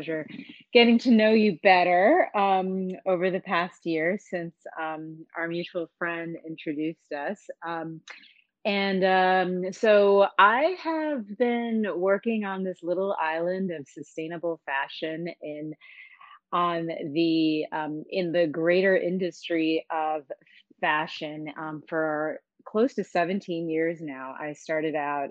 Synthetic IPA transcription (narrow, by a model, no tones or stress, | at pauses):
ʒə˞ɡ̥ɛɾɪ̃ŋtʰɨnoʊjɨbɛɾə˞ʌ̃moʊvə˞ðɨpʰæst̚jɪɹsɪ̃nsʌ̃mʔa̰ə˞mjʉt͡ʃul̩ˠfɹɛ̃ndɪ̰̃nt͡ʃɹ̥ɨdʉstʌsʌ̃m | ɨ̃nʌ̃msoʊaɪəvbɪ̃nwɜ˞kɪ̃ŋə̃nðɪslɪɾl̩ˠa̰ɪlˠɨ̃ndʌv̥sɨstẽɪ̃nɨbl̩ˠfæʃɨ̃nɪ̃n | ə̃nðiʌ̃mɪ̃nðɨɡɹeɪɾə˞ʔɪ̃ndɨstɹ̥iʌv̥ | fæʃɨ̃nʌ̃fə˞ | kʰl̥oʊstɨsɛvɨ̃ntʰĩnjɪɹznaʊʔa̰ɪstɑɹɾɨɾaʊt̚